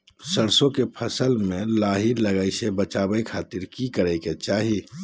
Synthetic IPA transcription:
səɽsõkepʰəsəlmẽlaːɦiləɡaisebət͡ʃaːbəikʰaːt̪ɪɾkikəɾəɪket͡ʃaːɦi

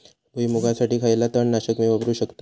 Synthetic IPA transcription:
buimuɡasaʈiːkʰajlat̪əɳnaɕəkmeʋəbɾuːɕəkt̪a

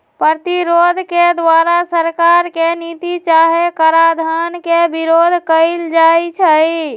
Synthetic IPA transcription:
pət̪iɾod̪ʱked̪ʋaɾasəɾkaɾkenit̪it͡ʃaɦekəɾad̪ʱankebiɾod̪ʱkəɪld͡ʒajt͡ʃʰəj

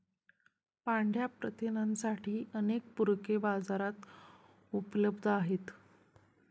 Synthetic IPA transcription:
paɳɖʱjapɾət̪inənsaʈʰiːʔənek̚puɾkebad͡zaɾat̪ | upləbd̪ʱaɦet̪

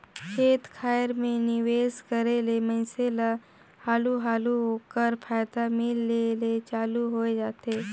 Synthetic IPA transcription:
kʰeːt̪kʰaːjəɾmẽnɪʋeːskəɾelemə̃ɪ̃sela | haːluɦaːluɦoːkəɾpʰaːjd̪amɪlːelet͡ʃaːluɦoed͡ʒaːt̪eː

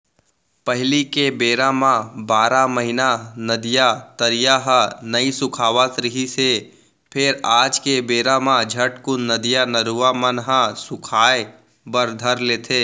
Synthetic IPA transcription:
pəɦlikebeːɾamãbaːɾamɐɦɪnanəd̪ijat̪əɾijaɦənɐisʊkʰaːʋat̪ɾɪɦise | pʰɪɾaːd͡ʒkebeːɾamãd͡ʒʱəʈkunəd̪ijanəɾuʋamənɦãsʊkʰaːe | bəɾd̪ʱəɾleːt̪ʰeː

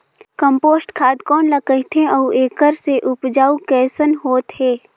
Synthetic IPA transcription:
kə̃mpoːsʈkʰaːd̪kɔːnlakəɦit̪ʰẽɐuʔeːkəɾseʔʊpd͡ʒaːukɛːsənɦoːt̪ɦɛː

